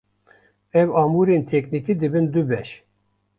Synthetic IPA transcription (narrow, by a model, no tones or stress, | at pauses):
ɛwɑːmuɾent̪ʰɛknikiːd̪ɨbɨnd̪ubɛʃ